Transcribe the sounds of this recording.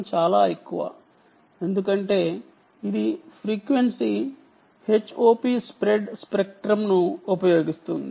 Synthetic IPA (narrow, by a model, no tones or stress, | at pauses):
t͡ʃaːlaːekːuʋa̰ː | e̞nd̪ukɐɳʈe̞ː | id̪ipʰɾiːkʋe̞nsi | he̞t͡ʃːoːpiːspɾe̞ɖspek̚ʈɾɐmnuupɐjo̞ːɡist̪und̪i